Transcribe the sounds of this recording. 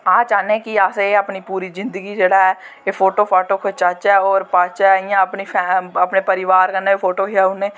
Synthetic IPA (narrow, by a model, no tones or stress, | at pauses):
ãːt͡ʃaːnẽkiaːseeəpnipuːɾizɪ̃nd̪əɡid͡ʒeːɽaɦɛ | efʰoːʈoːpʰaːʈokʰʊt͡ʃaːt͡ʃɛɔːɾpaːt͡ʃaɪjãəpnipʰɛəpnepəɾɪʋaːɾkənːaepʰoːʈoːɦiaʊnẽː